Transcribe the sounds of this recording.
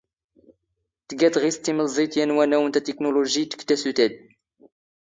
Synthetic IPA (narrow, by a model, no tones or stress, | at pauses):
t̪ɡæt̪ʁist̪iməlzˤit̪jænwænæwənt̪æt̪eknoloʒit̪ə̥kːt̪ːæsut̪æd̪̚